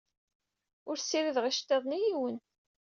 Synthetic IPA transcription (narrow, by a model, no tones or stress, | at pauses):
ʊɾsiɾiðʁiʃt̪ːeðˤnijiwən